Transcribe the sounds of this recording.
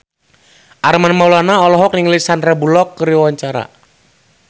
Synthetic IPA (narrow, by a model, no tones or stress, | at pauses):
ʔarmanmaulanaɔlɔɦɔk̚niŋlisanrabulɔkːəɾiwaɲt͡ʃaɾa̰